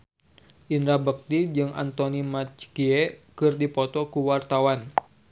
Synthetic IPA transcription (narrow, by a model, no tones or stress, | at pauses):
ʔinɾabək̚t̪id͡ʒɨŋʔa̰nt̪ɔnimat͡ʃkiɛkɨrdipɔt̪ɔkuwart̪awan